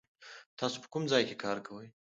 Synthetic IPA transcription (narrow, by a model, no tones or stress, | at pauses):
t̪ɑso̥pə̥kumd͡zɑjkekʰɑɾkʰawəj